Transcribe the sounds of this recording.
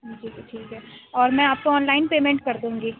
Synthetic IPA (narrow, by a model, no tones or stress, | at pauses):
d͡ʒiːkɛʈʰiːkɦɛːɔːɾmɛ̃aːp̚koɔːnlaːɪnpeːmẽɳʈ̚kɐɾt̪eɦũːŋɡi